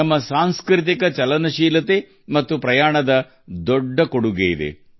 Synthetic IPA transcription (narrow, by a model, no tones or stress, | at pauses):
ɐmːɐsaːnskɾit̪̬ikɐt͡ʃɐlɐnɐʃiːlɐt̪e | mɐt̪ːupɾɐjaːɳɐd̪ɐ | d̪oɖːɐkoɽuɡejid̪ḛ